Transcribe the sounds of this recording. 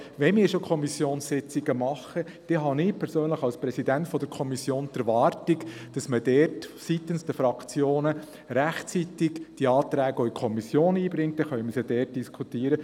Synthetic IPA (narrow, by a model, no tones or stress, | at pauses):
ʋɛnmɪːɾʃokʰɔmisjoːnssɪt͡siɡəmɑχə | d̥ɛɦɑnɪpʰɛɾsøːnləχɑlspɾɛsidæntfɔd̥̪əɾkʰɔmisjoːnd̥̪ɛɾʋɑːɾtikd̥ɑsməd̥ɛːrtsit̪ənsd̥̪əfɾɑkʰt͡sjoːnə | ɾæχt͡sit̪ɪɡ̥d̥iɑːt̪ɾæːɡɔikʰɔmisjoːniːbɾɪŋt̚d̥̪ɛχœʏməsjɑd̥ɛːrt̚d̥iskʰut̪iːəɾə